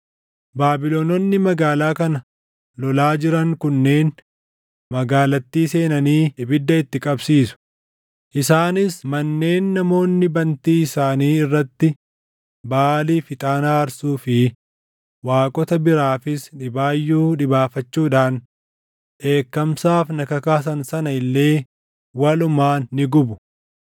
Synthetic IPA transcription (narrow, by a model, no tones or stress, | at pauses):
baːbɪlonɔnːɪmɐɡaːlaːkɐnɐ | lɔlaːd͡ʒɪɾɐŋkʊnːe̞ːn | mɐɡaːlɐt̪ːiːse̞ːnɐniːɪbɪd̪ːɐɪt̪ːɪkʼɐbsiːsʊ̥ | ʔɪsaːnɪsmɐnːe̞ːnːɐmo̞ːnːɪbɐnt̪iːɪsaːniːɪrːɐt̪ːɪ | baːliːfɪt̪ʼaːnaːɐɾsuːfɪ | waːkʼɔt̪ɐbɪɾaːfɪsᶑɪbaːjːuːᶑɪbaːfɐt͡ʃːuːᶑaːn | ᶑe̞ːkːɐmsaːfnɐkɐkaːs̬ɐnsɐnɐɪlːe̞ː | wɐlʊmaːnːɪɡʊbʊ̥